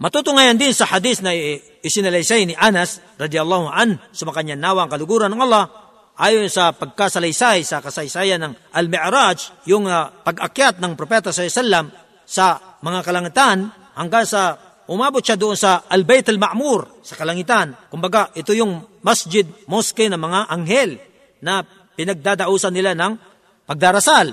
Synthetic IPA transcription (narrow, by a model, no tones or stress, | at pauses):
mɐt̪ut̪ʊŋaːjand̪ɪnsɐhad̪isnɐ | ɪsɪnɐlɐjsajnɪʔanɐs | ɾɑd̪iɐlˠˤːahʊʔansɐmɐkɐɲanaːwaŋkɐlʊɡuːɾanɐŋɑlˠːɑh | ʔaːjonsɐpɐɡ̚kasɐlajsajsɐkɐsɐjsaːjɐnːɐŋʔɐlmɪʔɾad͡ʒjʊŋpɐɡʔɐkjat̪̚nɐŋpɾopɛt̪assalːɐm | sɐmɐŋakɐlaŋɪt̪an | hɐŋɡaŋsɐ | ʔʊmaːbʊt̪̚ʃad̪ʊʔonsɐʔɐlbɛjt̪ɐlmaʔmuɾ | sɐkɐlɐŋɪt̪ankʊmbɐɡaʔɪt̪ojʊŋmasd͡ʒɪd̪̚moskɪnɐmɐŋaʔɐŋhɛl | nɐ | pɪnɐɡ̚d̪ad̪ɐʔuːsɐnːɪlanɐŋ | pɐɡ̚d̪aɾɐsal